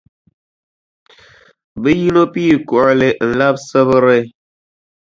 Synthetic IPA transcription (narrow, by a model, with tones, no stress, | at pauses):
bə˦ji˦no˦pi˦˨ku˨ɾle˨ʔn̩˨la˦p̚sə˦bə˦ɾe˦